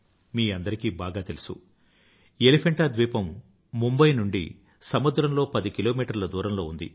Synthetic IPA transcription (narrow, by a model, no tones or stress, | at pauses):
miːɐnd̪ɐɾikiːbaːɡaːt̪elusu | elipʰeɳʈɐd̪ʋiːpɐmː | umbɐjnuɳɖḭ | sɐmud̪ɾɐmlo̞ːpɐd̪ikilo̞ːmiːʈɐɾlɐd̪uːɾɐmlo̞ːund̪ḭ